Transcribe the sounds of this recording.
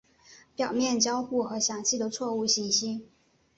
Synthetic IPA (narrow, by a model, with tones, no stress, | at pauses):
pjɑ˨˩ʊmjɛ˥˩nt͡ɕjɑ˥ʊxu˥˩xɤ˧˥ɕjɑ˨˩ŋt͡ɕʰi˥˩d̪ə˨˩t͡sʰwɔ˥˧u˥˩ɕi˧˥ɕi˥